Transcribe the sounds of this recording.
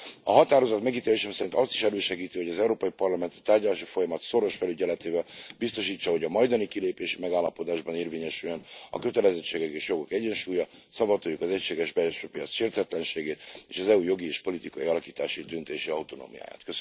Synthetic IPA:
ɒɦɒt̪aːɾo̞zɒt̪mɛɡit̪eːleːʃɛmsɛɾint̪ɒst̪iʃɛløːʃɛɡiːt̪iho̞ɟɒzɛuɾoːpɒipɒrlɒmɛnt̪ɒ̥t̪aːrɟɒlaːʃifo̞jɒmɒt̪so̞ɾo̞ʃfɛlyɟɛlɛt̪eːvɛlbist̪o̞ʃiːt͡ʃːɒɦo̞ɟɒmɒjd̪ɒnikileːpeːʃi̥mɛɡaːlːɒpo̞d̪aːʒbɒneːrveːɲɛʃyjønɒ̰kø̞t̪ɛlɛzɛt͡ʃːeːɡɛkeːʃjo̞ɡo̞kɛɟɛnʃuːjɒsɒbɒt̪oːjukɒzɛcʃeːɡɛʒbɛlʃøːpijɒt̪sʃeːrt̪ɛt̪lɛnʃeːɡeːt̪eːʃɒzɛujo̞ɡieːʃpo̞lit̪ikɒiɒlɒkiːt̪aːʃid̪ynt̪eːʃiɒut̪o̞no̰ːmija̰ːja̰ːt̪køs

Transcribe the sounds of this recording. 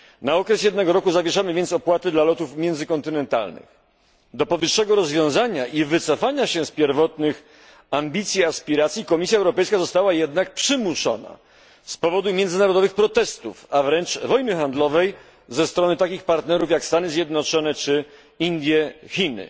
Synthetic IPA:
naɔkɾɛsjɛd̪nɛɡɔɾɔkuzavʲjɛʂamɘvʲjɛnsɔpwat̪ɘd̪lalɔt̪ufmʲjɛnd̪zɘkɔnt̪ɘnɛnt̪a̰lnɘ̰x | d̪ɔpɔvɘʂːɛɡɔɾɔzvʲjɔ̃w̃zaɲaʔivɘt̪sɔfaɲaɕɛspʲjɛɾvɔt̪nɘx | ambʲit̪sʲjiaspʲiɾat̪sʲjikɔmʲisʲjaɛwɾɔpɛjskazɔst̪awajɛd̪nak̚pʂɘmuʂɔ̰na̰ | spɔvɔd̪umʲjɛndzɘnaɾɔd̪ɔvɘxpɾɔt̪ɛst̪ṵfavɾɛnt͡ʂvɔjnɘxand̪lɔvɛj | zɛst̪ɾɔnɘt̪akʲixpaɾt̪nɛɾufjakst̪anɘzʲjɛd̪nɔt͡ʂɔnɛt͡ʂɘ | ind̪ʲjɛçʲinɘ̰

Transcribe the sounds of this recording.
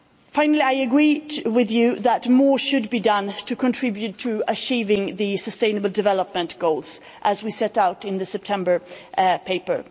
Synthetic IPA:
fãɪ̃nl̩ˠiaɪɨɡɹidwɪðjɨðət̚mɔɹʃɨd̚bidʌ̃ntʰɨkʰə̃ntʰɹ̥ɪbjʉtʰɨət͡ʃivɪ̃ŋðɨsəstẽɪ̃nəbl̩ˠdɨvɛlˠəp̚mɨ̃nɡ̥oʊlˠz̥ | ʔəzwisɛɾaʊɾɪ̃nðɨsɛp̚tʰɛ̃mbə˞pʰeɪpə˞

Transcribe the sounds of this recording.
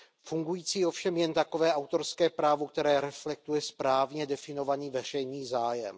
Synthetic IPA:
fuŋɡujiːt͡siːofʃɛmjɛnt̪akovɛːʔawt̪o̞ɾskɛːpɾaːvokt̪ɛɾɛːɾɛflɛk̚t̪ujɛspɾaːvɲɛdɛfɪno̞vaniːvɛr̝ɛjniːzaːjɛ̰m

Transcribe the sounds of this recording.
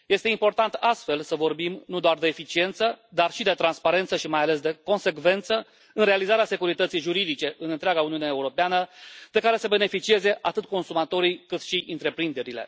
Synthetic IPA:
je̞st̪e̞impo̞rt̪ant̪ast̪fe̞lsəvo̞rbimnud̪oard̪e̞ːfit͡ʃie̞nt̪səd̪arʃid̪e̞t̪ɾanspaɾe̞nt̪səʃimajale̞s̬d̪e̞ko̞nse̞kve̞nt̪sə | ɨnɾe̞alizaɾease̞kuɾit̪ət̪sijʒuɾid̪it͡ʃe̞ʔɨnɨnt̪ɾaɡauniuneeuɾo̞peanəd̪̥e̞kaɾe̞səbe̞ne̞fit͡ʃie̞ze̞ʔat̪ɨt̪̚ko̞nsumat̪o̞ɾijkɨt̪ʃiʔɨnt̪ɾe̞pɾind̪e̞ɾile̞̰

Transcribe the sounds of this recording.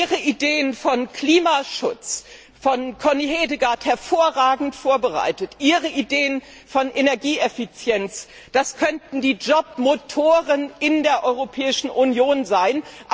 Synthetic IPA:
iʁəʔideːənfɔnkʰl̥iːmaʃʊt͡s | fɔnkʰɔniɦeːdəɡaːthɛɐfoːɐʁaːɡŋ̩tfoːɐbəʁa̰ɪtətʔiːʁəʔideːən | fɔnʔenɛɐɡiːʔɛfit͡sjɛnt͡s | d̥askʰœntn̩diːd͡ʒɔp̚motʰoːʁənʔɪndeːɐʔɔʏʁopʰɛːɪʃn̩ʔunjoːnzaɪnʔ

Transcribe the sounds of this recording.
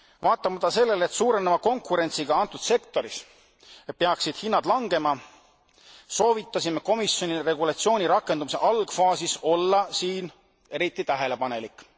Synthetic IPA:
vɑːt̪ˑːɑmɑt̪ːˑɑse̞lːelet̪suːɾe̞nemɑko̞ŋkuɾe̞nt̪siɡ̥ɑɑnt̪ːˑud̪̥se̞kt̪o̞ɾis | et̪̚peɑksid̪̥hinːɑd̪̥lɑŋɡ̥e̞mɑ | so̞ːvit̪ːˑɑsimeko̞misjo̞nire̞ɡulɑt̪sio̞ːnʲiɾɑkːˑenumise̞̰ʔɑlɡ̥fɑːsiso̞lːɑsiːn | e̞ɾit̪ːˑit̪æɦe̞le̞pɑne̞likːˑ

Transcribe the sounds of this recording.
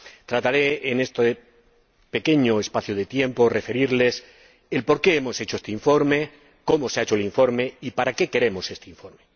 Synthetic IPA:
t̪ɾat̪aɾe̞ene̞st̪e | pe̞ke̞ɲoespaθjoðe̞t̪je̞mpo̞re̞fe̞ɾiɾle̞s | elpo̞ɾke̞emo̞se̞t͡ʃoest̪eiɱfo̞ɾme̞ | ko̞mo̞seaet͡ʃoeliɱfo̞ɾme̞ipaɾake̞ke̞ɾe̞mo̞se̞st̪eiɱfo̞ɾme̞

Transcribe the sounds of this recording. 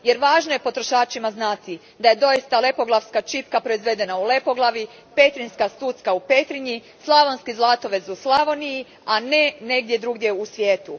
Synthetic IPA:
je̞ɾʋaːʒnoje̞po̞t̪ɾo̞ʃaːt͡ʃimaznaːt̪i | d̪aje̞d̪o̞jist̪ale̞po̞ɡlˠaʋskat͡ʃip̚kapɾo̞izʋe̞d̪e̞naule̞po̞ɡlˠaʋi | pe̞t̪ɾinskast̪uːt̪skaupet̪ɾiɲi | slˠaʋonskizlˠat̪o̞ʋe̞zuslˠaʋo̞niji | ane̞ne̞ɡ̚d̪je̞d̪ɾuːɡd̪ʲje̞usʋjeːt̪u

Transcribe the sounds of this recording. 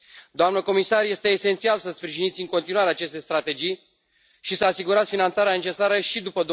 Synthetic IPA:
d̪oamnəko̞misarje̞st̪e̞ːse̞nt̪sialsəspɾiʒinit̪sʲɨŋko̞nt̪inuaɾeat͡ʃe̞st̪e̞jst̪ɾat̪e̞d͡ʒij | ʃisəasiɡuɾat̪sʲfinant̪saɾeane̞t͡ʃe̞saɾəʃid̪upəd̪o

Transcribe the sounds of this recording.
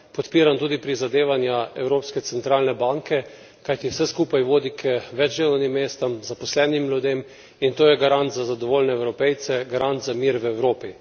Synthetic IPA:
pɔt̪piːɾant̪uːd̪ipɾizad̪eːʋanjaɛwɾoːpskɛt̪sɛnt̪ɾaːlnɛbaŋkɛ | kajt̪iwsɛskuːpajʋoːd̪ikʰəʋɛd͡ʒdeːlanimːeːst̪ɐmzapɔslɛːnimlʲjud̪em | int̪oːjɛɡaɾant̪zazad̪ɔʋoːlʲnɛɛwɾɔpɛjt̪sɛɡaɾant̪zamiːɾwɛwɾoːpi

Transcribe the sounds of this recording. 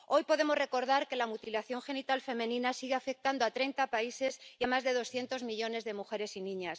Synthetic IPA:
o̞jpo̞ðe̞mo̞zre̞ko̞ɾð̞aɾke̞lamut̪ilaθjo̞ŋxe̞nit̪alfe̞mẽnĩnasiɣeafe̞k̚t̪and̪oat̪ɾe̞jnt̪apaise̞siamazðe̞ð̞o̞sθje̞nt̪o̞zmiʎo̞ne̞zðe̞muxe̞ɾe̞sinĩɲas

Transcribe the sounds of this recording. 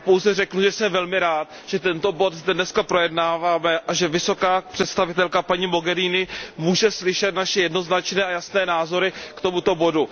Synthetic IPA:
powzɛrɛknuʒɛsɛmvɛlmɪɾaːt̪̚ | ʒ̥ɛt̪ɛnt̪o̞bo̞t̪zdɛdnɛskapɾo̞jɛdnaːvaːmɛʔaʒɛvɪso̞kaːpr̥ɛt̪st̪avɪt̪ɛlkapaɲimo̞ɡɛɾiːnɪmuːʒɛslɪʃɛt̪naʃɛjɛdno̞znat͡ʃnɛːajasnɛːnaːzo̞ɾɪkt̪o̞mut̪o̞bo̞du

